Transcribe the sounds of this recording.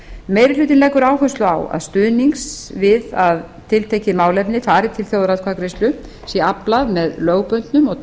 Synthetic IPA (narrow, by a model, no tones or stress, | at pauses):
mejɾɪlʏːt̪̬ɪnlɛkːʏɾaːwhœst̪lʏa̰wa̰ðst̪ʏðniŋksvɪðað | t̪ʰɪlt̪ʰeːjcɪmaːwlɛpnɪfaːɾɪt̪ʰɪlθjowðɾawðkʰvakɾest̪lʏ | sjɛaplaðmɛðløːɣpœnt̪nʏmɔɣ